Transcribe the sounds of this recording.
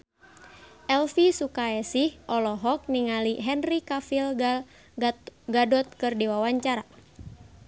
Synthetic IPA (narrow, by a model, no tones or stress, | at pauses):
ʔɛlfisukaɛsihʔɔlɔɦɔk̚niŋaliɦɛnrikafila | ɡadɔt̪̚kɨrdiwawaɲt͡ʃaɾa